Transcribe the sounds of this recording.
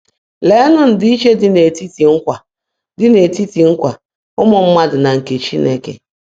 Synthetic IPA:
le˨˦nʊ˦n̩˨dɪ˨˦i˦t͡ʃe˦dɪ˦˨ne˨ti˦ti˨ŋ̩˦kʷa˨ | dɪ˦ne˨ti˦ti˨ŋ̩˦kʷa˨ | ʊ˦mʊ˨m̩˦ma˦dʊ˨na˨ŋ̩˨ke˨t͡ʃi˦ne˦kḛ˨

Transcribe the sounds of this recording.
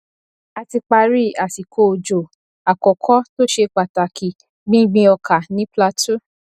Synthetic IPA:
a˧ti˧k͡pa˧ɾi˦˨a˨si˨kʰo˧˨o˨d͡ʒo˨ | a˨kɔ˨kʰɔ˦to˦ʃe˧k͡pa˨ta˨kʰi˨ | ɡ͡bĩ˦ɡ͡bĩ˧ɔ˧kʰa˨nĩ˨˦pla˧tʰu˦

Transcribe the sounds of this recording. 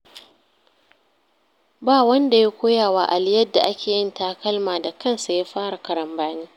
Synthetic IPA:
baː˦˨wɐ˦nda˨ja˦kʷoː˦jaː˨waː˦ʔa˨lɪ˦jɐ˦dːa˨ʔa˦kʲeː˨jɪ˦nta˨˦˨kɐ˦lmaː˨da˨kɐ˦˨nsa˨jaː˦ɸaː˦ɽa˨kɐ˨ɾɐ˨mbaː˦niː˦

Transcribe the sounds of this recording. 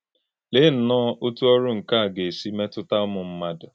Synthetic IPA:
le˦n̩˨nɔ˦ʔo˦tu˦ɔ˦ɾʊ˦ŋ̩˨ka˦a˨ɡe˨si˦me˦tʊ˦ta˦ʊ˦mʊ˨m̩˦ma˦dʊ˨

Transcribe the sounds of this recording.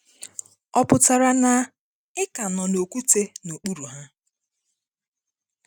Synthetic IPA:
ɔ˦pʊ˨ta˨ɾa˨na˨ | ɪ˦ka˨nɔ˨no˨ku˦te˦no˨k͡pu˦ɾu˨ɦa˦

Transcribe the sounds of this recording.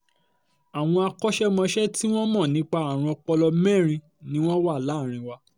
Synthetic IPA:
a˨w̃ɔ̃˧a˧kɔ˦ʃɛ˦mɔ̃˧ʃɛ˦ti˦w̃ɔ̃˦mɔ̃˦˨nĩ˨˦k͡pa˧a˨ɾ̃ɔ̃˧k͡pɔ˧lɔ˧mɛ̃˦˨ɾ̃ĩ˧ | nĩ˦w̃ɔ̃˦wa˦˨la˨˦˨ɾ̃ĩ˧˦wa˧

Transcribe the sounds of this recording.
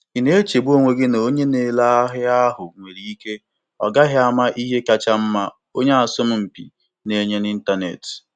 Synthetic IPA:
i˨ne˦e˦t͡ʃe˨bo˦ŋʷe˨ɡɪ˦no˨˦ɲe˦ne˨la˦ɦɪ˦a˦ɦʊ˨ŋʷe˨ɾi˨i˦ke˦ | ɔ̰˨ɡa˦ɦɪ˦a˦ma˦ʔi˦ɦe˦ka˦t͡ʃa˦m̩˦ma˦ | o˦ɲe˦a˨sʊ˦m̩˦m̩˨pḭ˨ | ne˨˦ɲe˦ni˦n̩˦ta˦nḛ˨t

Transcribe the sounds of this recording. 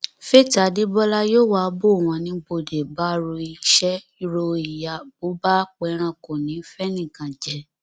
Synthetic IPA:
fe˦˨ta˨di˦bɔ˦la˦joː˦˨wa˦bo˦˨w̃ɔ̃˧nĩ˧˦bo˧˨de˨ba˦ɾo˧i˧˨ʃɛ˦ | i˦ɾo˧i˨ja˨bo˨˦ba˦k͡pɛ˧ɾ̃ã˧ko˨nĩ˨˦fɛ˦nĩ˦˨kã˨d͡ʒɛ˨

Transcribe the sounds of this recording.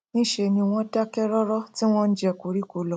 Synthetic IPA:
nĩ˦ʃe˧˨nĩ˧w̃ɔ̃˧˦da˦kɛ˦ɾɔ˦ɾɔ˦ti˦w̃ɔ̃˦n̩˦d͡ʒɛ˧˨ko˨˦ɾi˦ko˧˦lɔ˨

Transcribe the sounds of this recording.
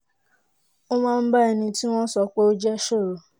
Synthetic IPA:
o˦mãː˦˧n̩˦ba˦ɛ˧nĩ˧ti˦w̃ɔ̃˦n̩˦sɔ˧k͡pe˦o˦d͡ʒɛ˦ʃo˦˨ɾo˨

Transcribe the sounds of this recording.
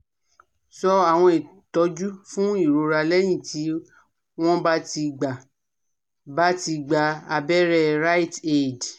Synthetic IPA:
sɔ˧a˨w̃ɔ̃˧i˨ | tɔ˨˦d͡ʒu˦fũ˦i˦˨ɾo˨˧ɾa˧lɛ˦j̃ĩ˦˨ti˨˦ | w̃ɔ̃˦ba˦ti˧ɡ͡ba˨ | ba˦ti˧ɡ͡ba˧a˧bɛ˦ɾɛ˧ɾa˦i˦te˦˨d

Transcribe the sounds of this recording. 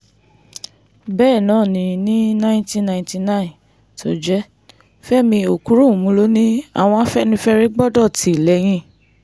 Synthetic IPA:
bɛː˦˨nãː˨˦˨nĩ˧˨nĩ˦nã˦ĩ˦tĩ˦nã˧˨ĩnti˧nã˦˨ĩ˨ | to˨˦d͡ʒɛ˦ | fɛ˦mĩ˧o˨ku˦ɾũ˦˨mũ˧˦lo˦nĩ˦a̰˨w̃ɔ̃˧a˦fɛ˦nĩ˧fɛ˦ɾe˦ɡ͡bɔ˦dɔ˦˨ti˨˦˨lɛ˨˦j̃ĩ˧˦

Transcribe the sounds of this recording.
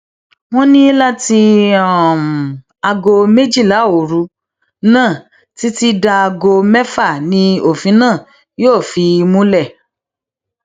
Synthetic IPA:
w̃ɔ̃˦nĩ˦la˦ti˧ɔ˨m˨ | a˧ɡo˧me˦d͡ʒi˦˨la˨˦˨o˨ɾu˨˦ | nãː˦˨ | ti˨˦ti˦da˧a˧ɡo˧mɛ˦fa˦˨nĩ˧o˦˨fĩ˨˦nãː˦˨ | joː˦˨fi˧mũ˦lɛ˦˨

